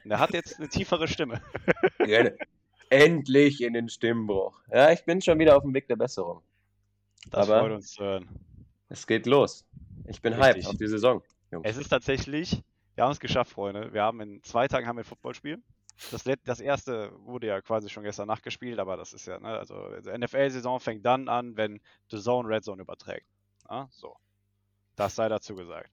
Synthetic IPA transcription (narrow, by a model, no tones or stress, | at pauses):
ndeːɐɦatjɛt͡stnətʰiːfəʁ̞əʃtɪmə | ɛnə | ʔɛntlɪçɪndeːnʃtɪmnbʁʊ̰χjaːɪçb̥ɪnʃoːnviːɾɐaʊfm̩veːk̚d̥eːɐbɛsəʁ̞ʊŋ | d̥asaːfbɐɔʏtʊnst͡suhøøːɐn | ʔɛsɡ̥eːtloːs | ʔɪçb̥ɪnɦaɪtɪa̰ʊfd̥iːzezɔŋ | jʊ̰ŋɛsɪstʰaːtz̥ɛçlɪç | viːɐhabmɛsɡ̥əʃaftfʁ̥ɔʏndəviːɐhaːbm̩ɪnt͡sv̥aɪtʰaːɡŋ̩hamviɐfʊt̚b̥ɔ̰lʃpiːl | d̥aslɛd̥asʔeːɐstəvʊɐdəjaːkʰv̥aːziʃoːnɡɛstɐnːaχt̚ɡ̥əʃpiːltʔaːbɐdasɪstja̰ːnʔə̰ʔa̰lzo̰ɛnɛfɛlzezɔ̃fɛŋt̚d̥anʔanvɛn | d̥əzoʊnʁɛtzoʊnyːbɐtʁ̥ɛ̰ːk̚t | nəz̥o̰ː | d̥asz̥aɪɾat͡suːɡəza̰ːkt